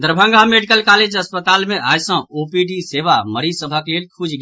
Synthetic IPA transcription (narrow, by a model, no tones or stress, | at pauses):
d̪əɾbʱə̃ŋɡʱameɖikəlkaled͡ʒəspət̪almeajsə̃opiɖiseβaməɾisəbʱəklelkʰud͡ʒɡ